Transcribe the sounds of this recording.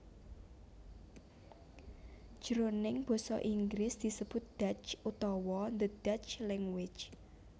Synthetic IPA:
ʒ̥əɾonɪŋb̥ɔ̤sɔ̰ʔiŋɡɾɪsd̪̥i̤səb̥ʊt̪̚d̪̥a̤t͡ʃʔut̪ɔwɔnd̪əd̪̥at͡ʃlɛŋwɪ̥d͡ʒ

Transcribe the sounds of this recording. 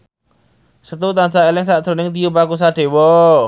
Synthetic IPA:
sət̪ut̪ansaelɪŋsad̪̥ɾo̤nɪŋt̪ijupakusaɖ̪̥e̤wɔ

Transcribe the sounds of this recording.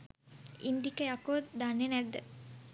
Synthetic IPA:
ind̪ikɐjakoːt̪d̪anenæd̪ːə

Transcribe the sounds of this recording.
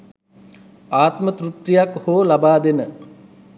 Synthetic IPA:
aːt̪mət̪rut̪ɾijakhoːlabaːd̪enə

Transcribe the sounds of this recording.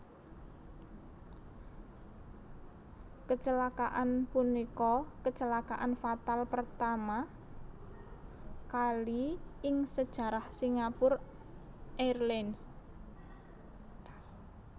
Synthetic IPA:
kət͡ʃəlakaʔanpunikɔkət͡ʃəlakaʔanfat̪alpərt̪ama | kaliɪŋsəd̥ʒ̥ä̤ɾahsiŋapʊr | ʔɛrlɛns

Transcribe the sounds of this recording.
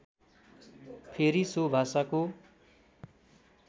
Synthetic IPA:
pʰeɾisobʱasako

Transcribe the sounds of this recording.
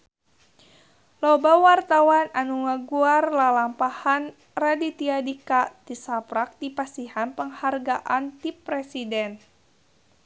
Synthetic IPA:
lobawart̪awananuŋaɡuarlalampahan | radit̪iadikat̪isapɾak̚dipasihanpəŋharɡaʔant̪ipɾɛsidɛn

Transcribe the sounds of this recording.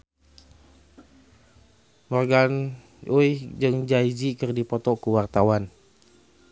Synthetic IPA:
mɔrɡan | ʔujd͡ʒɨŋd͡ʒaid͡ʒikɨrdipɔt̪ɔkuwart̪awan

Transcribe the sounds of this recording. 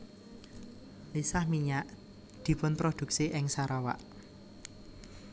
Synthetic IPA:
lisahmiɲaʔ | d̪̥i̤pʊnpɾod̪̥ṳk̚siʔɪŋsaɾawa̰ʔ

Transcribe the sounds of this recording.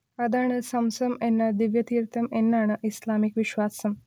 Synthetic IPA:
ɐd̪ʱaɳɐsɐmsɐmenːad̪iʋjɐt̪iːɾt̪ʰəmenːaɳ̃ɐʔislamikʋiɕʋasɐm

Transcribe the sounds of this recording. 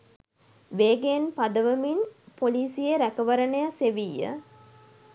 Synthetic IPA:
ʋeːɡenpad̪əʋəminpoliːsijeɾækəʋɐɾənəjəseʋijːə̰

